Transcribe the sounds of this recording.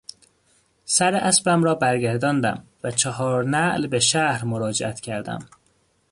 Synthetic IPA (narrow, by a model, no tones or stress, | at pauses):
sæɾeʔæsbæmɾɒːbæɾɡæɾd̪ɒːnd̪æ̰mvæt͡ʃʰɒhɒːɾnæʔlbeʃæhɾmoɾɒːd͡ʒeʔæt̪ʰcʰæɾd̪æ̰m